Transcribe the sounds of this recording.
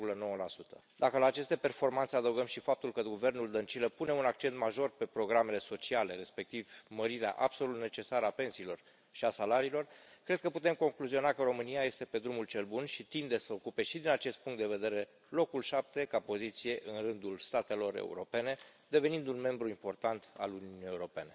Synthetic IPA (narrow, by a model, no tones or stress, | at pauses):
vɡuləno̞wəlasut̪ʰə̥ | d̪akəlaːt͡ʃe̞st̪e̞pe̞rfo̞rmant̪se̞ad̪əwɡəmʃifap̚t̪ulkəɡuve̞rnuld̪ənt͡ʃiləpune̞unak̚t͡ʃe̞nt̪maʒo̞rpe̞pɾo̞ɡɾame̞le̞so̞t͡ʃiale̞ɾe̞spe̞k̚t̪ivməɾiɾea̰ʔabso̞lut̪ne̞t͡ʃe̞saɾəape̞nsiːlo̞r | ʃiasalaɾiːlo̞rkɾe̞d̪̚kəput̪e̞mko̞ŋkluzio̞nakəɾo̞mɨniaje̞st̪e̞pe̞d̪ɾumult͡ʃe̞lbunʃit̪ind̪e̞səokupe̞ʃid̪inat͡ʃe̞st̪̚puŋkt̪d̪eve̞d̪e̞ɾe̞ | lo̞kulʃap̚t̪e̞kapo̞zit̪sije̞ʔɨnrɨnd̪ulst̪at̪e̞lo̞ɾḛṵɾo̞pe̞ne̞d̪e̞ve̞nind̪unme̞mbɾuimpo̞rt̪ant̪a̰luniunijeuɾo̞pe̞ne̞